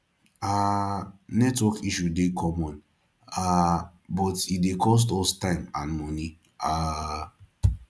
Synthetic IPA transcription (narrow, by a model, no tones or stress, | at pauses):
a | nɛtwɔkiʃudekʰɔmɔ̃n | a | bɔtidekʰɔs̬tɔstãɪ̃mãnmɔni | a